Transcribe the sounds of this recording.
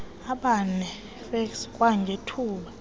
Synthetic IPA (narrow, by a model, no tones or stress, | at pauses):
aɓanɛ | fɛkskʼwaŋɡʱetʰuːɓa